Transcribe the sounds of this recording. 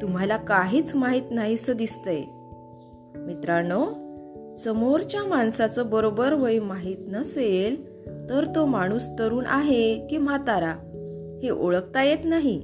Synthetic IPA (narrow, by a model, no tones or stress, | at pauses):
t̪um̤alakaɦiːt͡smaɦiːt̪naɦisəd̪ist̪əj | mit̪ɾaɳo | səmoɾt͡ɕjamaɳsat͡səbəɾobəɾʋəimaɦiːt̪nəsel | t̪əɾt̪omaɽ̃uːst̪əɾuːnʔaɦekim̤at̪aɾa | heʔoɭəkt̪ajet̪naɦi